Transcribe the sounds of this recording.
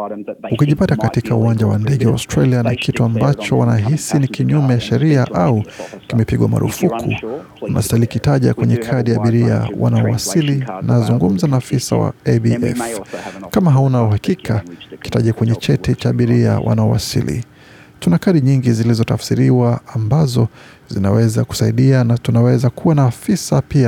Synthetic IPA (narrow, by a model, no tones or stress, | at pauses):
ukiʄipatakatikʰauwaɲd͡ʒawandɛɠɛwaɔstɾalianakʰituambat͡ʃɔwanaɦisinikiɲumɛjaʃɛɾiaʔaukimɛpiɠwama̰ɾṵfukʰu | unʔa̰stalikitaʄa̰kwɛɲɛkʰaɗiaɓiɾia̰wa̰naɔwasilinazuŋɡum̩zanafisa̰wa̰ɛbiʔɛ̰fkamaɦaunauɦakikʰaki̥taʄakwɛɲɛt͡ʃɛtɛt͡ʃaːɓiɾia̰wʔa̰naɔwa̰sḭlḭ | tunakaɗiɲiŋɡizilizɔtafsiɾiwaːmbazɔ | zinawɛzaku̥saiɗianatunawɛzakʰuwanaːfisapia